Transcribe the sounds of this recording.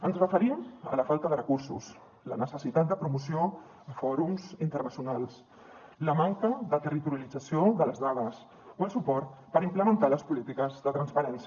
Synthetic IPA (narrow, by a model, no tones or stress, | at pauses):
ənzrəfəɾimə̰ləfalˠt̪əðərəkuɾsṵs | lə̰nəsəsit̪at̪̚d̪əpɾumusio | əfɔɾumzint̪ərnəsjunalˠs | ləmaŋkəðət̪ərit̪uɾjəlid͡zəsioðələzðað̞əs | oəlˠsupɔɾt̪pəɾimpləmənt̪aləspulit̪ikəzðət̪ɾənspəɾɛns